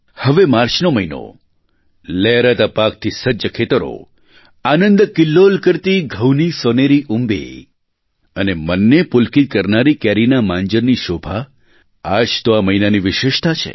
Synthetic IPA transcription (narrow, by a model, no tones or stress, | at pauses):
həʋemaɾt͡ʃnoməino̰ | lɛɾat̪apak̚t̪ʰisəd͡ʒəkʰet̪əɾo̰ | anə̃nd̪kɪlːolkəɾt̪iɡʱəwnisoneɾiʔumbḛ | ənemənːepʊlkit̪̚kəɾnaɾikɛɾinamãnd͡ʒəɾniʃobʱa | ad͡ʒt̪oaməinaniʋɪʃɪʃt̪at͡ʃʰḛ